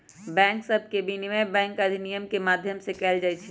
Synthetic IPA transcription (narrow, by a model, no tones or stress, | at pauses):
bɛ̃ːŋksəb̚ʱkebinimẽbɛ̃ːŋkɐd̪ʱinijəmkemaːd̪ʱjəmsekɛːld͡ʒaːɪt͡ʃʰi